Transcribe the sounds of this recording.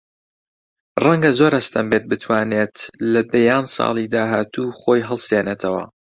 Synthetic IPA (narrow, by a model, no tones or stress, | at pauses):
rɐŋɡɐzoːɾɐst̪ʰɐmbet̪̚bɨt̪ʰwaːneːt̪lɐd̪ɐjaːnsˤɑ̰ːlˠid̪aːɦaːt̪uːχoːjɦɐlˠst̪eːnet̪ʰɐwɐ̰